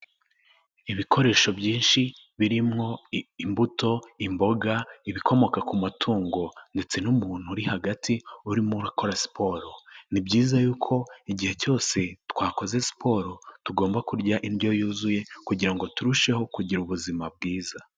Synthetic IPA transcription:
iβikʰo̞ɾe̞ːʃo̞bɟiːnʃi | βiɾimŋo̞imbuto̞imbo̞ɡaiβiko̞mo̞kakumatʰuːŋɡo̞nde̞t͡se̞numuːn̥uɾihaɡatʰiuɾimuɾako̞ɾasi̥pʰo̞ɾonibɟiːzajuːkʰo̞iɟihe̞co̞ːse̞twaːko̞ze̞si̥po̞ːɾo̞tuɡo̞ːmbakuɾɟaʔindjo̞juːzuje̞kuɟiɾaŋɡo̞tuɾuʃe̞ho̞kuɟiɾuβuzimab̚ɡiːza

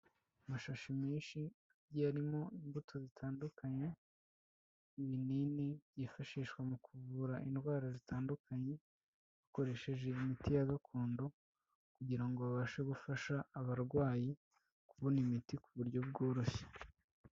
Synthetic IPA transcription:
amaʃaʃimeːnʃi | aɟiaɾimo̞imbutʰo̞zitʰaːndukaɲe̞ | iβininiβjifaʃiːʃkwemukʰuvuɾaʔinɡwaːɾazitʰaːndukaɲe̞ | akoɾe̞ʃe̞ʒe̞imitijaɡakʰoːndo | kuɟiɾaŋɡo̞βaβaːʃeɡufaʃaːβaɾɡwaːji | kuβonimitikuβuɾɟo̞b̚ɡoːɾo̞çe̥

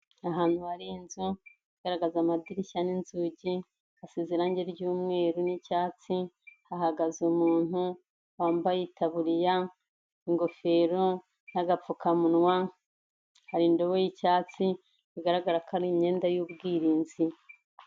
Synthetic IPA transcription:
aɦaːn̥huhaɾinzu | iɡaɾaɡazamadiɾicaninzuɟi | aseziɾaɲɟeɾɟuːmŋe̞ːɾunicaːt͡si | ahaɡazumuːn̥hu | waːmbajitʰaβuɾija | iŋɡo̞fe̞ːɾo | n̥aɡap͡fukamunwa | haɾiːndo̞βojicaːt͡si | iɡaɾaɡaɾakʰaɾiɲe̞ːndajuːbɡiːɾiːnzi

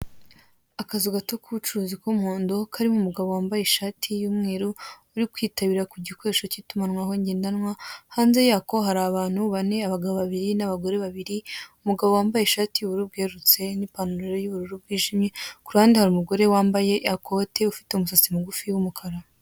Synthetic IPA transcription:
akazuɡatokuβut͡ʃuɾuːzikomhoːndo̞kʰaɾimumuɡaβo̞waːmbajeʃaːtʰijumŋeːɾuː | ɾikwiːtaβiɾakuɟikwe̞ːʃocitumanwaɦo̞ɲɟeːndanŋwahaːnze̞jaːko̞ɦaɾaːβaːn̥huβane̞aβaɡaβoβaβiɾinaβaɡo̞ɾe̞βaβiɾiumuɡaβowaːmbajeʃaːtiuβuɾub̚ɡeɾut͡se̞nipanuɾeɾojuβuɾuɾub̚ɡiːʒimɲekuɾaːndihaɾumuɡo̞ɾe̞waːmbaje̞ako̞te̞ufi̥teumusasimuɡufiwumukʰaɾa

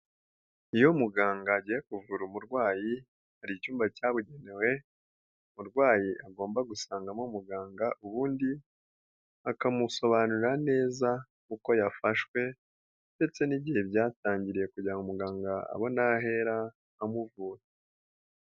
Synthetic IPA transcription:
ijo̞muɡaːŋɡaɟiːje̞kuvuɾumuɾɡwaːji | haɾicuːmbacaːβuɟe̞ne̞we̞ | muɾɡwaːjiʔaɡo̞ːmbaɡusaːŋɡamomuɡaːŋɡaʔuβuːndi | akamuso̞βanuɾane̞ːza | kuko̞jafaʃkwe̞ | nde̞t͡se̞niɟihe̞bjaːtaːɲɟiɾije̞kuɟɾaŋɡumuɡaːŋɡaa̰βo̞naɦe̞ɾaː | muvuːɾe

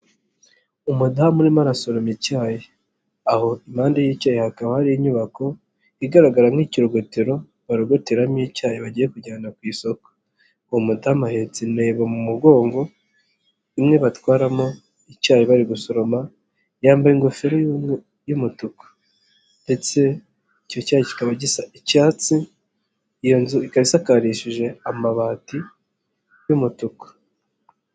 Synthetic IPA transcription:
umudamuɾimaɾasoɾomicaːje | aho̞imaːndajicaːjehakaβahaɾiiɲuβako̞ | iɡaɾaɡaɾamŋiːciɾoɡo̞teɾo̞ | βaɾoɡo̞teɾamjicaːjeβaɟiːje̞kuɟaːnakwiːso̞ko̥ | umudamahet͡sineːβamumuɡo̞ːŋɡo̞ | imŋe̞βatwaːɾamo̞ | icaːjiβaɾiɡuso̞ɾo̞ma | jaːmbaiŋɡofeɾoj | jumutukḁ | nde̞t͡se̞ | ico̞caːjeci̥kaβaɟisaicaːt͡si | jonzuikaβisakaɾiʃiʒe̞amaβaːti | jumutukḁ

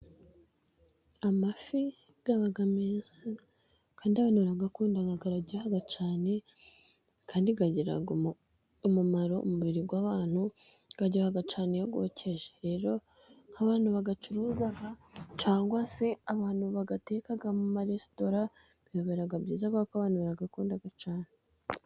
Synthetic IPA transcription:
amafi | ɡ̥aβaɡameːnza | kaːndiaβaːnuβaɾaɡakuːndaɡaɡaɾaɟehaɡat͡ʃaːne̞ | kʰaːndiɡaɟeɾa̰ɡ | omumaɾo̞o̰muβiɾiɡwaːβaːn̥hu | ɡ̥aɟohaɡat͡ʃaːne̞joɡo̞̰ːcʰe̞ʒeɾe̞ːɾo̞ | haβaːn̥huβaɡat͡ʃuɾuːzaɡat͡ʃaːŋɡwase̞aβaːn̥huβaɡate̞ːkaɡamumaɾesi̥to̞ɾa | bijoβeɾaɡabɟiːzaɡakaβaːnhuβaɾaɡakuːndaɡat͡ʃaːne

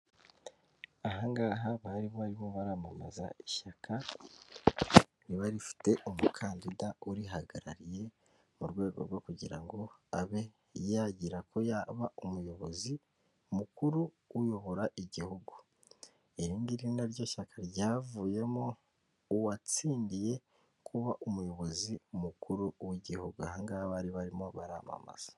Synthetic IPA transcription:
aɦaŋɡaːɦaβaɾiβoβaɾimoβaɾaːmama̰za̰iʃakʰa | niβaɾifi̥te̞ʔomukʰaːndidauɾiɦaɡaɾa̰ɾije̞ | muɾɡwe̞ːɡo̞̰ɾwo̞kuɟiɾaŋɡo̞aβe̞ | jaɟiɾakʰo̞jaβaumujo̞βo̞zi | mukuɾu | ujo̞βo̞ɾaʔiɟihuɡu | eɾiːnɡiɾiinaɾɟo̞ːʃakʰaɾɟaːvuːje̞moː | wat͡siːndije̞ | kʰuβaʔumujo̞βo̞zimukuɾuwiɟihuɡuahaŋɡaaβaɾiβaɾimo̞βaɾa̰ːma̰ma̰z̥ḁ

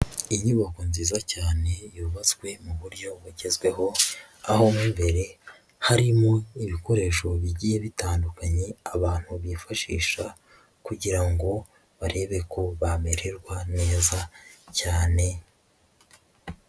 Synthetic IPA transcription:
iɲuβako̞nziːzacaːne̞juβat͡skwe̞muβuɾɟo̞βuɟe̞zɡwe̞ɦo̞ | aho̞mumbe̞ɾe̞ | haɾimo̞iβiko̞ɾe̞ʃo̞βiɟiːje̞βitaːndukaɲe̞aβaːn̥huβifaʃiːʃa | kuɟiɾaŋɡo̞ | βaɾe̞βe̞ko̞βame̞ɾe̞ɾɡwane̞ːzacaːne̞

